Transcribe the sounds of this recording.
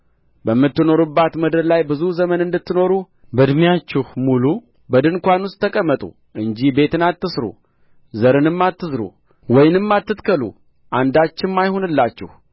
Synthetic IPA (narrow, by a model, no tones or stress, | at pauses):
bəmːɨt̪ːɨno̞ɾubːat̪məd̪əllajbɨzuzəmənɨnd̪ɨt̪ːɨno̞ɾu | bəd̪mijat͡ʃːɛhmulu | bəd̪ɨnkʷanwust̪ʰːəkʼəmːət̪ʼṵ | ʔɨɲd͡ʒibe̞t̪ɨnat̪ːɨsɾṵ | zəɾɨnɨmːat̪ːɨzɾṵ | wɔjnɨmːat̪ːɨt̪kʰəlṵ | ʔand̪at͡ʃːɪnmːajhonɨlːat͡ʃːɛ̰h